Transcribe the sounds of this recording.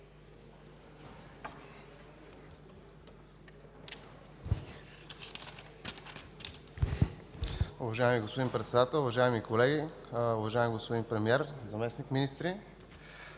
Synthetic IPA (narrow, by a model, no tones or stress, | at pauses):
ʊvɐʒaɛmiɡospod̪inpɾɛt̪sɛd̪at̪ɛlˠʊvɐʒaɛmikolɛɡi | ʊvɐʒaɪɛmɡospod̪inpɾɛmiɛɾzɐmɛsnikminist̪ɾi